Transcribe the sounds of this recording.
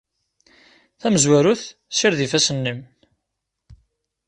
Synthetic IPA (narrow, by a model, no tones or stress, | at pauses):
θæməzwæɾʊθsɪɾðifæsənːim